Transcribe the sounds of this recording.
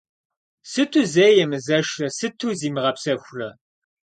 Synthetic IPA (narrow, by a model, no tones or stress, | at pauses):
sɨtʰuzeːjɛmɨzɐʂɐsɨtʰuːziːmɨʁɐpsɐxʷrɐ